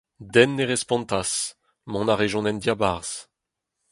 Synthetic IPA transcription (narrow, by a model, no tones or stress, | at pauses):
d̪ɛnːeʁɛspɔ̃nt̪as | mɔ̃naʁeʒɔ̃nɛndjabaʁs